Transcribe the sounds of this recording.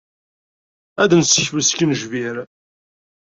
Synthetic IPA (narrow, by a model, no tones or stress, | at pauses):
æd̪nsəçwəskənʒviɾ